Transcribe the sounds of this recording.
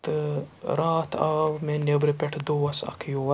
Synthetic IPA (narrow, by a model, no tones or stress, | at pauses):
t̪ɨɾaːt̪ʰaːʋmẽnebɾɨpʲeʈʰd̪oɐsɐ̰kʰjoː